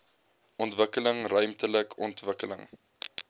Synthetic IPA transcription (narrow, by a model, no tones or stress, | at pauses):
ʔɔntvəkələŋrœɥmtələkʰɔntvəkələ̰ŋ